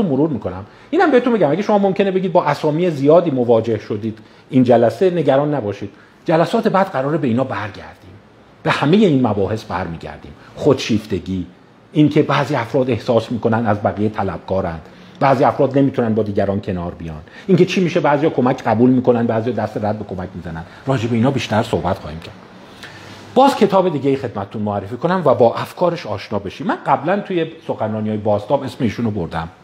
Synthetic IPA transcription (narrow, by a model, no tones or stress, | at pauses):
umoɾuːɾmiːkʰo̞næm | iːnæmbehet̪umbeæmæɡʲeʃo̞mɒːmo̞mcʲʰe̞ne̞beɟid̪̚bɒːʔæsɒːmiːezijɒːd̪iːmovɒːd͡ʒe̞hʃod̪iːd̪ | ind͡ʒælæse̞ne̞ɟæɾɒːnːæbɒːʃiːd̪̥ | d͡ʒælæsɒːt̪ʰe̞bæd̪̥ɢæɾɒːɾebeiːnɒːbæɾɟæ̰ɾd̪̥iːm | b̥e̞hæme̞je̞iːnmæbɒːhe̞sbæɾmiːɟæ̰ɾd̪ḭːmχod̪̥ʃiːft̪e̞ɡiː | ʔiŋcʰe̞bæːziːæfɾɒːd̪e̞hsɒːsmiːko̞nænd̪æzbæɣijet̪ʰælæb̥̚ɡʰɒːɾæ̰nd̪̥ | bæːziːæfɾɒːd̪ne̞miːt̪ʰunænd̪bɒːd̪iːɟæɾɒːncʰe̞nɒːɾbijɒːn | iŋcet͡ʃʰiːmiːʃe̞bæːzijɒːkʰo̞mæcʰɢæbuːlmiːkʰonænd̪bæːzijɒːd̪æst̪eɾæd̪̚be̞kʰo̞mæcʰmiːzænænd̪ɾɒːd͡ʒebeiːnɒːbiːʃt̪æɾsohbæt̪xɒ̰ːhiːmcʰæɾd̪̥ | b̥ɒːzcʰe̞t̪ʰɒːbe̞d̪iːɟejixe̞d̪̚mæt̪ʰe̥t̪unmoæɾːefiːko̞næmvæbɒːʔæfkʰɒːɾe̞ʃɒːʃnɒːbe̞ʃiːmːænɢæblænt̪ʰujeso̞xænrɒːnijɒːjebɒːst̪ɒːbe̞smeiːʃunoboɾd̪æm